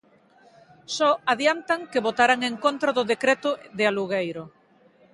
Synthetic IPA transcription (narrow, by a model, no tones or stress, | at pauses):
sɔaðjant̪aŋkeβot̪aɾaŋeŋkont̪ɾaðʊðekɾet̪ʊðɪaluɣejɾʊ